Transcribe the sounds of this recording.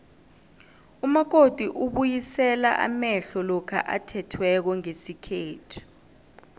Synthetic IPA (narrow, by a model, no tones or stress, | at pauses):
umak̬od̥ʱiʔuɓujisɛla̰ʔa̰mɛɬɔlɔkʰa̰ʔatʰɛtʰwɛk̬ɔŋesikʰeːtʰi̥